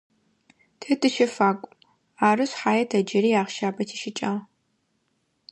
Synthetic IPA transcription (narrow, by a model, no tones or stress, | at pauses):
tʰɨtʰɨʃɐfaːkʷʼ | aːrɨɕħaːjɐtʰɐd͡ʒɐɾiːaːʁʃaːbɐtʰiʃɪt͡ʃʼɐʁ